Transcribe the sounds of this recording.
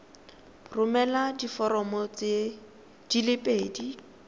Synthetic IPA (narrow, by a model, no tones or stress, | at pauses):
rʊmɛladifɔɾɔmɔt͡se | d̥ilɪpʼeːdi